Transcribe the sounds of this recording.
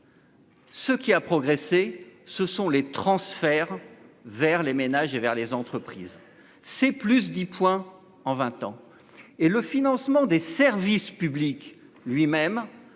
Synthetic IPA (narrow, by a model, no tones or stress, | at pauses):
səkʲiapχɔɡʁesesəsɔ̃let̪χɑ̃sfɛʁvɛʁlemenaʒevɛʁlezɑ̃t̪χəpχiz | sɛplys̬d̪ipʰwɛ̃ | ɑ̃vɛ̃t̪ɑ̃ | eləfinɑ̃smɑ̃d̪esɛʁvispyblik | lɥimɛm